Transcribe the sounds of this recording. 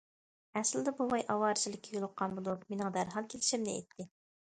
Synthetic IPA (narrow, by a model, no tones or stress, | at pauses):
ɛsld̪ɛbuwɑjʔɑwɑːɾɨt͡ʃʰilˠɪkʲʰːijolˠʊqʰːɑnbud̪umenɨŋd̪æɾɦɑlˠkʲʰelɪʃimnɪḛjt̪ʰːɪ